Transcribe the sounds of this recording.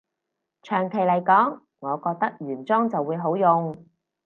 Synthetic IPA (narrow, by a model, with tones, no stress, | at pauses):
t͡ʃʰœː˨˩ŋkʰe˨˩jlɐ˨˩jkɔː˨˥ŋː | ɔː˨˧kɔː˧k̚t̪ɐ˥k̚jyː˨˩nt͡sɔː˥ŋt͡sɐ˨wuː˨˧jɦo˨˥wjʊ˨ŋ